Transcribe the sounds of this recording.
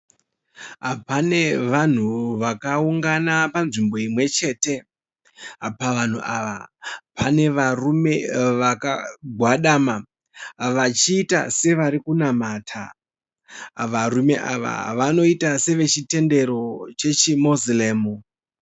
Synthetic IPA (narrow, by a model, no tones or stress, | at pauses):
ɦapane̞ʋan̤uʋakauŋɡanapanʐimbo̞imwe̞t͡ʃe̞te̞ | apaʋan̤uʔaʋa̰pane̞ʋarume̞ʋakaɡʱwaɗama | ʋat͡ʃiːta̰se̞ʋaɾikunamatʰa̰ | ʋarume̞ʔa̰ʋa̰ʋano̞itase̞ʋe̞t͡ʃite̞nde̞ɾo̞t͡ʃe̞t͡ʃimozleːmu